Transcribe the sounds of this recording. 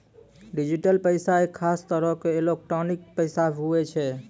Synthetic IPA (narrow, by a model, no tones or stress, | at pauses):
ɖid͡ʒiʈəlpəɪsaekʰːast̪əɾəkeːlek̚ʈɾɔnik̚pəɪsaɦuet͡ʃʰɛ